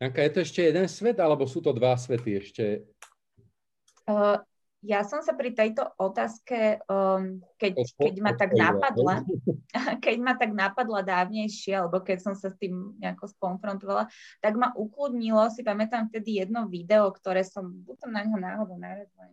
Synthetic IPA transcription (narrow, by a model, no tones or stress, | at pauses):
aŋkajɛt̪ɔɛʃcɛjɛd̪ɛnsʋɛd̪alɛbɔsuːt̪ɔd̪ʋas̬ʋɛt̪iɛʃcɛ | jasɔmsapɾit̪ɛjt̪ɔʔɔt̪aːskɛ | kɛckɛɟmat̪aɡnapad̪la | kɛɟmat̪aɡnapad̪lad̪aːʊɲɛjʃɪɛalɛbɔkɛcsɔmsast̪iːmɲɛakɔskɔnfɾɔnt̪ɔʋalat̪aɡmaʔuklud̪ɲilɔsipamɛt̪amft̪ɛd̪ijɛd̪nɔʋid̪ɛɔkt̪ɔɾɛːsɔmb̪ut̪ɔmnaɲɦɔnaːɦɔd̪ɔʊnaɾazla